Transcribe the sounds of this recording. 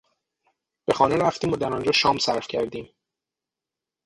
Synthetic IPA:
b̥e̞xɒːneɾæft̪iːmod̪æɾɒnd͡ʒɒːʃɒːmsæ̰ɾfcʰæɾd̪iːm

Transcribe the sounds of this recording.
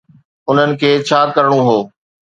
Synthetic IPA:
ʊn̤ənɪ̆kʰeːt͡ɕʰaːkɐɾəɽ̃uɦoː

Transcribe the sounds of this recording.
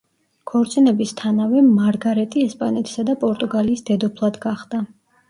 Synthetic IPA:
kʰɔɾt̪sʼinɛbist̪ʰanavɛmaɾɡaɾɛt̪ʼiɛspʼanɛt̪ʰi̥sad̪apʼɔɾt̪ʼuɡaliːsd̪ɛd̪ɔpʰlˠad̪ɡaχd̪̥a

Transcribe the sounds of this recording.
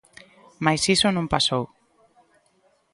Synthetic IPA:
majsisonõmpasow

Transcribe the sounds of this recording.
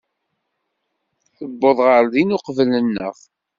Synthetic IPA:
θəbːoðˤʁəɾðinʊqvələnːə̰ʁ

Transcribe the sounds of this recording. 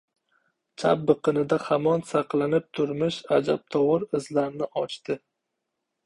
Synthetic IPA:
t͡ʃʰa̰pːɨqʰɨnɪd̪ahamɒnsaqlanɪp̚t̪ʰʊɾmɪʃad͡ʒap̚t̪ʰɒwɨɾɪzlaɾnɪɒt͡ʃt̪ɪ

